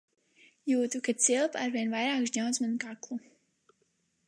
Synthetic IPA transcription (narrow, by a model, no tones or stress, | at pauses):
juːt̪ukasilˠpaɾviɛnvajɾaːkʃɲawnsmankaklˠu